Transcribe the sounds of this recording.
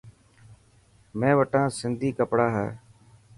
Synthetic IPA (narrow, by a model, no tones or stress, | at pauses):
mẽːʋəʈãːsɪnd̪ʱiːkəpɽaːɦɛ̰ː